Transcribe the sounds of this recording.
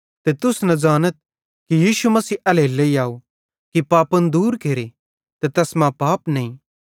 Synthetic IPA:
t̪et̪ʊsnɐd͡ʒaːnət̪̚ | kijiːʃumɐsiːʔɐleleːiaːo | kipaːpənd̪uːɾkeːɾe | t̪et̪ɛsmãpaːpnɐĩː

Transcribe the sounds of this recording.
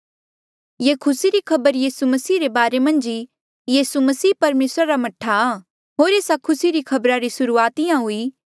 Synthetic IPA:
jekʰʊsiɾikʰɐbəɾjiːsumɐsiːɾebaːɾemɐ̃nd͡ʒi | jiːsumɐsiːpɐɾmeːsɾaɾamɐʈʰːaː | ɦoːɾeːsakʰʊsiɾikʰɐbɾaɾisʊɾuaːt̪ɪjãɦʊi

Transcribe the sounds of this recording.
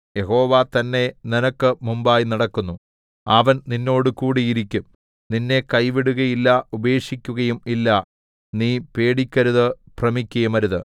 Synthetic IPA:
je̞ɦo̞ːʋat̪ɐnːe̞ninɐkːɨmumbaːjnɐɽɐkːunːu | ɐʋɐnninːo̞ːɽɨkuːɽijiɾikʲːum | ninːe̞kɐjʋiɽuɣɐjilːɐube̞ːʂikʲːuɣɐjumilːɐ | niːpe̞ːɽikʲːɐɾuðɨ | prɐmikʲːɐjumɐɾuðɨ

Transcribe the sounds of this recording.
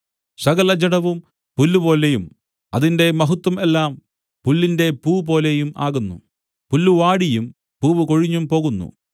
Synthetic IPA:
sɐɣɐlɐd͡ʑɐɽɐʋum | pulːupo̞ːlejum | ɐðinde̞mɐɦut̪ːwɐmelːaːm | pulːinde̞puːp̬o̞ːlejuma̰ːɣunːṵ | pulːuʋaːɽijum | puːʋɨkoɻiɲːumpo̞ːɣunːṵ

